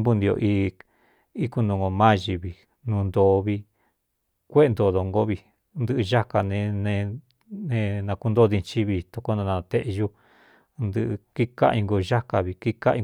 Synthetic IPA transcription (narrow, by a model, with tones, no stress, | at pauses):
mbu˧nd̪i˧o̰˧ʔi˧ | i˦ku˧nũ˧ŋɡo˧mã˦ʒi˧βi˧˨ | nũ˧nd̪o˧βi˧ | kʷe˦˧nd̪o˧˨ðo˧ŋɡo˦βi˧ | nd̪ɨ˦ʔɨ˧ʒa˦ka˧nẽ˧nẽ˧ | nẽ˧nã˧ku˧nd̪o˦ði˧t͡ʃi˦βi˧t̪o˧ko˦nã˧nã˧t̪e˦ʔʒu˦ | nd̪ɨ˧ʔki˦ka̰˦i˧ŋɡo˧ʒa˦ka˧βi˧ki˦ka̰˦i˧